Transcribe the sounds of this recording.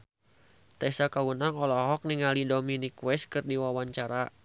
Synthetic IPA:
t̪ɛsakawunaŋɔlɔɦɔk̚niŋalidominikwɛskɨrdiwawaɲt͡ʃaɾa

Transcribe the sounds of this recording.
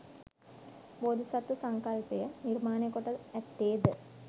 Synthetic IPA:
bod̪ʱisɐt̪ːusɐŋkɐlpejɐniɾmaːnekːoʈːɐɛt̪ːeːd̪ɨ

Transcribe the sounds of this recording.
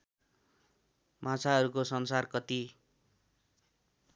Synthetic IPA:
mãt͡sʰaɦʌɾukosʌnsarkʌt̪i

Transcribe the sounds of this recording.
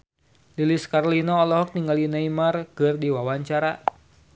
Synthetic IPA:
liliskaɾlinɔːlɔɦɔk̚niŋɡalinaimarkɨrdiwawaɲt͡ʃaɾa

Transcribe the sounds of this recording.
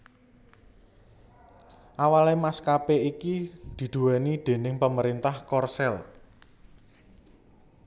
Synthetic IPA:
ʔawalemaskapeikid̪̥i̤d̪̥ṳwɛnid̪̥e̤nɪŋpəməɾint̪ahkɔrsɛl

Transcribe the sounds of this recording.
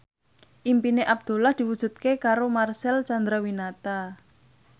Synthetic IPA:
ʔimpineʔab̚d̪̥ṳlahd̪̥i̤wud̥ʒ̥ṳt̪̚kekaɾomarsɛlt͡ʃand̪ɾawinat̪a

